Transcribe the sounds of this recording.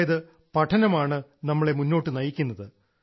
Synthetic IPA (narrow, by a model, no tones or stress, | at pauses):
jɐðɨ | pɐʈʰɐnɐmaːɳɨnɐmːɐɭe̞munːo̞ːʈːɨnɐjikʲːunːɐðɨ